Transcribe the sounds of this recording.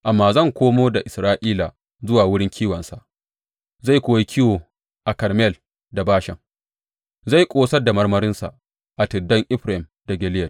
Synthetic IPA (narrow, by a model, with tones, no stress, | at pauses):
ʔa˨mːaː˨zɐ˦˨ŋkʷoː˦moː˦da˨ʔɪ˨sɾaː˦ʔiː˦la˨ | zʊ˦waː˨wʊ˦ɽɪ˦ŋkʲʰiː˦wɐ˨nsa˨ʔ | za˦˨jkʷoː˦wi˦kʲʰɪ˦woː˨ | ʔa˨kɐ˨rmɛ˦˨l | da˨baː˦ʃɪ˨ŋ | za˦˨jkʷʼoː˦sɐ˦rda˨mɐ˦rmɐ˦ɾɪ˦nsa̰˨ʔ | ʔa˨tɪ˨dːɐ˦ŋʔɪ˦ɸɾa˨hɪ˨mda˨ɡʲɛ˨lɪ˦jɐ˨